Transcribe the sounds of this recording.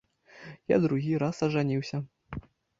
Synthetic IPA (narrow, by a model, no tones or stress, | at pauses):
ja̰d̪ɾuɣʲiɾasɐʐanʲiwsʲɐ